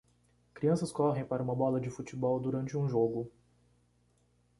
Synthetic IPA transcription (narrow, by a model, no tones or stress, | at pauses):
kɾiɐ̃sɐskɔɦẽj̃paɾɐũmɐbɔlɐd͡ʒɪfut͡ʃɪbɔwd̪uɾɐ̃nt͡ʃɪũʒoɡʊ